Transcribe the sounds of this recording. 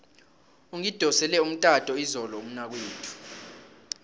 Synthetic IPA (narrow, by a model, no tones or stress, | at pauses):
uŋid̥ʱɔsɛlɛum̩tʼatʼɔizɔlɔum̩nak̬weːtʰu̥